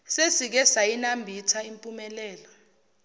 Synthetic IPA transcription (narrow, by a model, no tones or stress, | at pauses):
sesik̬ɛsajinambʱitʰaimpʼumɛlɛːlɔ